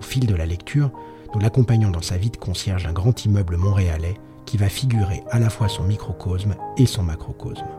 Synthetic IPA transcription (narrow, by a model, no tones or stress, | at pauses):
ofild̪əlalɛkt̪ʰyʁ | nulakɔ̃paɲɔ̃d̪ɑ̃savid̪kɔ̃sjɛʁʒɛ̃ɡʁɑ̃t̪ʰimœbləmɔ̃ʁealɛ | kʲʰivafiɡʲyʁḛalafwasɔ̃mikχɔkʰosmesɔ̃makχɔkɔsm